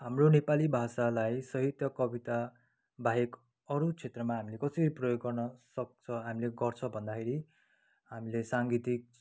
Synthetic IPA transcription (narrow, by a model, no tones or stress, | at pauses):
ɦamronepalibʱasalajsʌɦit̪jʌkʌbit̪a | bʱaɦek | ʌɾut͡sʰet̪rʌmaɦamilekʌsʌɾiprʌjoɡːʌrnʌsʌk̚t͡sʰʌɦamileɡʌrt͡sʰʌbʱʌnd̪akʰeɾi | ɦamilesaŋɡit̪ik̚